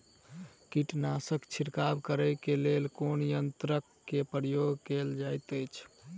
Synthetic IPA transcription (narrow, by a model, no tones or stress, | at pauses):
kiʈnasəkt͡ʃʰiɾkabkəɾəjkelelkonjənt̪ɾəkːepəjoɡkeld͡ʒajt̪əjt͡ʃʰ